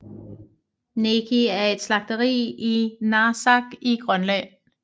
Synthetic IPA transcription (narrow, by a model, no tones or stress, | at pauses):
nekʰiæɐe̝d̥slɑ̈ɡ̥̚d̥əʁḭːinɑ̈ːsɑ̈ɡ̥iɡ̥ʁɶnlɛ